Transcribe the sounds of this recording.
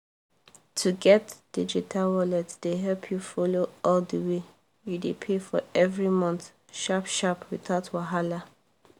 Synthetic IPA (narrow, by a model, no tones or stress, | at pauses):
tʰuɡɛtd̥id͡ʒitʰalwɔlɛtd̥eɦɛlpʰjufoloɔldəwe | judepʰefɔɛvɹimɔ̃nθ | ʃapʃapwiθaʊtwaɦala